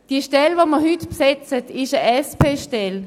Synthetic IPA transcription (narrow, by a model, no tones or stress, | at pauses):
d̥iːʃtɛlvoməhytpsɛt͡sətɪʃəʔɛspʰeːʃtɛl